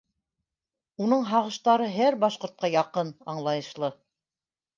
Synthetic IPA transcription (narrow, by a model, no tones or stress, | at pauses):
unɤɴɦɑʁɤ̆ʃt̪ɑɾɤɦæɾbɑʃqŏɾt̪̚qɑjɑqɤnɑɴlˠɑjɤ̆ʃlˠɤ